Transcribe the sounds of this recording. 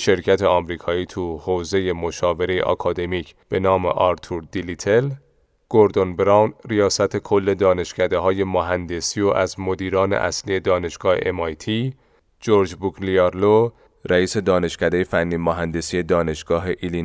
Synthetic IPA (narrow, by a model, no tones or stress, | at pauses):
ʃe̞ɾcʰæt̪ʰe̞ɒːmɾiːkʰɒːiːt̪ʰuhoːze̞je̞mo̞ʃɒːve̞ɾe̞jḛʔɒ̰kʰɒːd̪e̞miːcʰb̥e̞nɒːme̞̰ʔɒɾt̪ʰuɾd̪ilit̪ʰel | ɡ̥oɾd̪o̞nbɾɑwnrijɒːsæt̪ʰe̞kʰo̞lːe̞d̪ɒːne̞ʃcʰæd̪e̞ɦɒːje̞moɦænd̪e̞sioʔæzmo̞d̪iːɾɒːne̞̰ʔæ̰slije̞d̪ɒːne̞ʃɡ̥ɒːhḛʔemɒjt̪ʰiː | d͡ʒoɾd͡ʒbuɡliɑɾlo | ɾʔæiːse̞d̪ɒːne̞ʃcæd̪eje̞fænːiːmoɦænd̪e̞sije̞d̪ɒːne̞ʃɡ̥ɒːɦe̞ʔili